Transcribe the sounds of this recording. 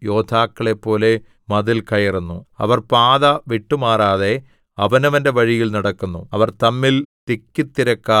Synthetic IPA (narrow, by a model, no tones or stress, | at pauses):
jo̞ːd̪ʱaːkːɐɭe̞pːo̞ːle̞ | mɐðilkɐjɐrunːuɐ̰ʋɐrpaːðɐʋiʈːumaːraːðe̞ | ɐʋɐnɐʋɐnde̞ʋɐɻijilnɐɽɐkːunːuɐʋɐrt̪ɐmːilt̪ikʲːit̪ːiɾɐkːa